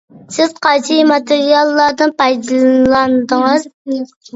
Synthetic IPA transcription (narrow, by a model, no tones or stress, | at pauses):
sɪz̥qʰɑt͡ʃʰimɑt̪ʰɪɾijɑlˠːɑɾd̪ɨnpʰɑjd̪ɨlˠlˠɑnd̪əŋɨz